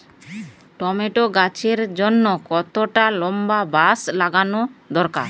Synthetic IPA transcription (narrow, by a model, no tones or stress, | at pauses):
ʈɔmeʈoɡat͡ʃʰeɾd͡ʒonːokɔt̪oʈalɔmbabaslaɡanod̪ɔɾka̰ɾ